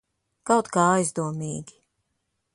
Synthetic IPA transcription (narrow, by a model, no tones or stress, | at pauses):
kawt̪kaːajzd̪uɔmiːɡʲi̥